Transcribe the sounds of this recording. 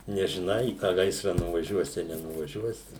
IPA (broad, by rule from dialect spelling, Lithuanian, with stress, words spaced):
nʲɛʒʲɪˈnɐɪ iː tɑː ˈɡɐɪsrɐ nʊʋɐˈʒʲuɔsʲɪ ɐ nʲɛnʊʋɐˈʒʲuɔsʲɪ